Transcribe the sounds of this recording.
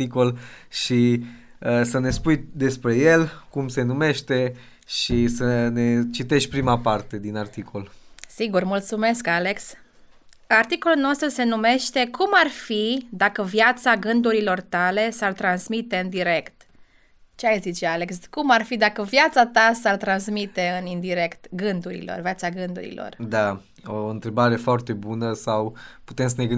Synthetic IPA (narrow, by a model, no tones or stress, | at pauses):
ikolʃi | əsəne̞spujd̪e̞spɾe̞je̞lkumse̞nume̞ʃt̪e̞ | ʃisəne̞t͡ʃit̪e̞ʃ̚ʲpɾimapart̪e̞d̪inart̪ikʰolsiɡurmult̪sume̞skale̞ks | art̪iko̞lulno̞st̪ɾuse̞nume̞ʃt̪e̞kʰumarfid̪akəvjat̪saɡɨnd̪uɾilo̞rt̪ale̞sart̪ɾansmit̪e̞ɨnd̪iɾe̞kt̪ | t͡ʃeajzit͡ʃeale̞kskumarfid̪akəvjat̪sat̪asart̪ɾansmit̪e̞ɨnind̪iɾe̞kt̪ɡɨnd̪uɾḭlo̞̰rvjat̪saɡɨnd̪ṵɾḭlo̞̰rd̪a | oɨnt̪ɾe̞baɾe̞foart̪e̞bunəsawpu̥t̪emsəneɡɨn